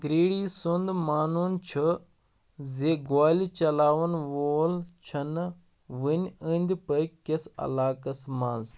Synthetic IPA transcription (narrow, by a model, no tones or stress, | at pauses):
ɡɾiːɽiːsund̪maːnuːnt͡ʃʰu | zeɡaːlit͡ʃɐlaːʋɐnʋoːlt͡ʃʰɐn | ʋɨnʲənʲd̪ʲpɐjkesɐ̰laːkɐsmaːnz